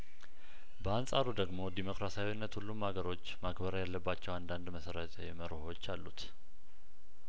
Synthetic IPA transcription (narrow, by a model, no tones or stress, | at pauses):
bəansʼaɾud̪əɡmo̞d̪imo̞kɾasajwinːət̪hulːumhaɡəɾo̞t͡ʃːmaɡbəɾəjalːəbːat͡ʃːɛwand̪and̪məsəɾət̪ʰəjɛməɾoho̞t͡ʃːalːut̪